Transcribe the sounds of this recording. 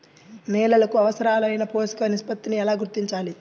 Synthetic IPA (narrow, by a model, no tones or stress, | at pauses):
nɛːlɐlɐkuɐʋɐsɐɾaːluɐjnɐpoːskɐɐnispɐt̪ːiniɛlaːɡuɾt̪iɲt͡ʃaːli